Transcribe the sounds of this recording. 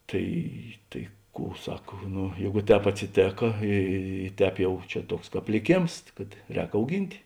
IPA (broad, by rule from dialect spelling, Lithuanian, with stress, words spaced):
ˈtɐɪ tɐɪ ˈkuː ˈsɐk ˈnʊ ˈjɛɪɡʊ ˈtʲɛːp ɐtʲsʲɪˈtʲeːkɐ ˈiː ˈtʲɛːp jɛʊ ˈt͡ʃʲɛ ˈtuɔks ˈkɑːp lʲɪˈkʲeːms kɐt ˈrʲɛːk ɐʊˈɡʲɪnʲtʲ